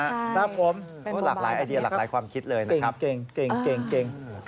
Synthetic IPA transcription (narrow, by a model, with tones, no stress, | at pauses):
naː˧˥˩pʰo˨˦m˥˩ | laː˨˩k̚laː˨˦jʔa˧jdi˧ɐa˨˩laː˩˦jkʰwaː˧mkʰi˦˥t̪̚lɤː˧jna˦e˧˩˦pke˧ŋke˧ŋke˧˩ŋke˧ŋ